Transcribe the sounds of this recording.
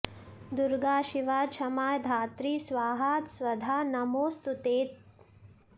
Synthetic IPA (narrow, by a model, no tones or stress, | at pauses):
d̪uɾɡaːʃiʋaːt͡ʃʰɐmaːjd̪ʱaːt̪ɾiːsʋaːɦaːt̪swɐd̪ʱaːnɐmoːst̪ut̪eːt̪̚